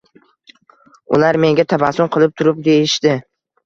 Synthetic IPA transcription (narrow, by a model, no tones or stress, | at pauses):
ʊlaɾme̞ŋɡʲat̪ʰabasʊmqʰɨlˠɪp̚t̪ʰʊɾɪp̚d̪e̞jɪʃd̪ɪ